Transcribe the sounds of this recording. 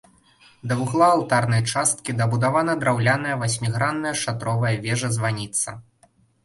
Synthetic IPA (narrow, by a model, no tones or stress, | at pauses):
d̪ɐvuɣlˠaːlˠt̪arnɐjt͡ʂast̪̚kʲid̪ɐbud̪avanɐd̪ɾawlʲanɐjɐvasʲmʲiɣɾanːɐjɐʂat̪ɾɔvɐjɐvʲɛʐɐzvanʲit̪sːɐ